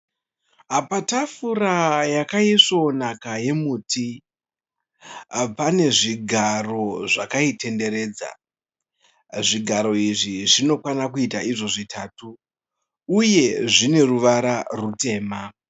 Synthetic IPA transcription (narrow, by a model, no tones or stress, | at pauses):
apatafuɾajakaiʂo̞nakaje̞muːti | pane̞ʐiɡʱaro̞ʐakaitʰe̞nde̞ɾe̞ːd͡za̰ | ʐiɡʱaɾo̞iʐiʐino̞kwanakuitaiʐo̞ʐitʰatuː | je̞ʐine̞ruʋaɾarute̞ːma